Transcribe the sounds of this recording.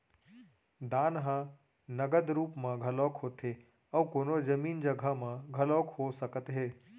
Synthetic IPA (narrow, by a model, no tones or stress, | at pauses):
d̪aːnɦã | nəɡəd̪ɾuːpmãɡʱəlɔːkɦoːt̪ɦe | əwkoːnod͡ʒəmiːnd͡ʒəɡʱamãɡʱəlɔːkhosəkət̪ɦeː